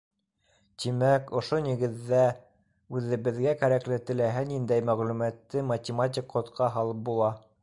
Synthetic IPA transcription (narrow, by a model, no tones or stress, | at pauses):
t̪imækŏʃoniɡɘ̆ðːæ | ʉðɘ̆βɘ̆ðɡækæɾæklɘt̪ɘ̆læɦænind̪æjmæʁlʉmæt̪ːɘmɐt̪ʲɪmat̪̬ʲikqːŏt̪qʰɑɦɑlˠɤp̚bulˠɑ